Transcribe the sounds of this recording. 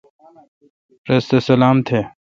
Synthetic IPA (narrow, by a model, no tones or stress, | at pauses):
ɾɐst̪esɐlaːmt̪ʰe